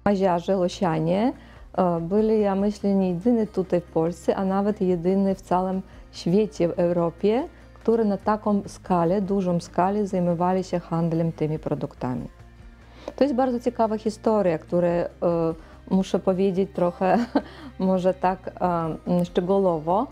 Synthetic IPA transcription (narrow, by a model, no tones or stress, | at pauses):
maʑaʐɛlɔɕaɲʲɛ | bɨlʲijamɘɕlʲɛɲʲɛjɛd̪ɘnɛt̪ut̪ajfpɔlʲst̪sɛʔanavɛt̪jɛd̪ɘnɨft̪sawɛm | ɕfʲjet͡ɕɛvɛwɾɔpʲjɛ | kt̪uɾɛnat̪akɔmskalʲɛd̪uʐɔmskalʲɛzajmɔvalʲiɕɛxand̪lɛmt̪ɘmʲipɾɔd̪ukt̪a̰mʲḭ | t̪ɔjɛst̪baɾd̪ɔt͡ɕɛkavaxʲist̪ɔɾʲjakt̪uɾɛ | muʂɛpɔvʲjed͡ʑet͡ɕt̪ɾɔxɛ | mɔʐɛt̪ak | ʂt͡ʂɛɡulɔvɔ